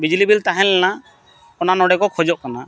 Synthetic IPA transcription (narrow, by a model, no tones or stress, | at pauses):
bid͡ʒulibilt̪aɦɛ̃lɛna | ɔnanɔɽɛkɔkʰɔd͡ʒɔʔ̚kana